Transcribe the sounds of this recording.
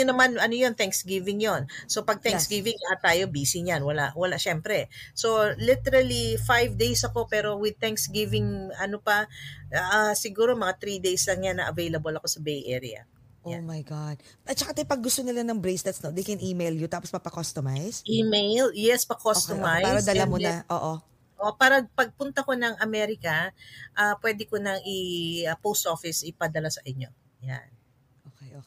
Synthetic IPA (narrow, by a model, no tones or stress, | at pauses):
ʊnɐmanʔɐnojo̞nt̪ɛŋksɡivɪŋjonso̞pɐɡ̚t̪ɛŋksɡivɪŋjɐʔat̪aːjo̞biːsɪɲjanwɐla̰ʔwɐlaʔʃɛmpɾɛso̞lɪt̪ɛɾɐlifajvd̪ejsɐko̞pɛːɾo̞wɪd̪̚t̪ɛŋksɡivɪŋɐnopɐ | asɪɡuːɾo̞mɐŋat̪ɾid̪ejslɐŋjanːɐʔɐvejlɐbolɐko̞sɐbejʔɛ̰ɾɪ̰ɐ̰ | ʔoamajɡad̪̚ | ɐt͡ʃɐkat̪ojpɐɡ̚ɡʊst̪onɪlanɐŋbɾejsd̪ɐt̪snod̪ejkɛnʔiːmejljʊt̪aːpospɐpɐkost̪omajsʔimejljɛspɐkosst̪omajɐd̪ɐlamonɐʔo̰ːʔo | ʔoʔpaːɾɐpɐɡ̚pʊnt̪ɐko̞nɐŋʔɐmɛɾɪkɐʔapwɛːd̪ɪkonɐŋɪpowst̪ʔo̞fɪsɪpɐd̪ɐlasɐʔɪɲːo̞ | ja̰n | ʔokɛjo